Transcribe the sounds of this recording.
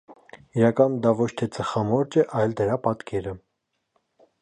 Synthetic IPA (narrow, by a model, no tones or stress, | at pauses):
iɾɑkɑnd̪ɑvɔt͡ʃʰt̪ʰɛt͡səχɑmɔɾt͡ʃɛʔɑjld̪əɾɑpɑt̪kʰɛɾə